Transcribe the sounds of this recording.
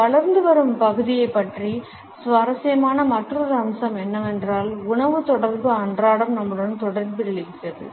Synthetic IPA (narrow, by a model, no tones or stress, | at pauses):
ʋɐɭɐɾnd̪ɯʋɐɾɯmpɐɣɯðɪjɐɪpːɐʈri | sʋɐɾɐsɪjɐmaːnɐmɐʈrɐðɐɐmsɐmɛnːɐɛndraːlʊɳɐʋɯt̪ɔɽɐɾbɯɐɳdraːɽɐmnɐmːɯɽɐnt̪ɔɽɐɾbɯɾɐɭɪsɐðɯ̰